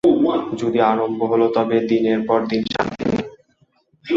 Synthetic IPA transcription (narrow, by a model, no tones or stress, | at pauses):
d͡ʑod̪iaɾomboɦolot̪ɔbed̪ineɾpɔɾd̪inʃa̰nt̪ʰḭnḭ